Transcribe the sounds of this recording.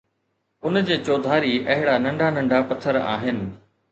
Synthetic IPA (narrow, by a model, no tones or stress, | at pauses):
ʊnd͡ʑeːt͡ɕoːd̪ʱaːɾiɐɦɪɽanɐ̃ɳɖʱanɐ̃ɳɖʱapɐt̪ʰːəɾa̰ːɦɪnɪ̆